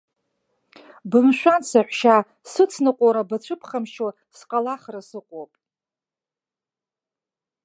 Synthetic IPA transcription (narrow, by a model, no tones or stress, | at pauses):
bɨmʃᶣʷansaħʷʃa | sɨt͡sʰnɨqʷʼoɾabat͡ɕʷʰɨpʰχamʃo | sqʼalaχrasɨqʷʼopʼ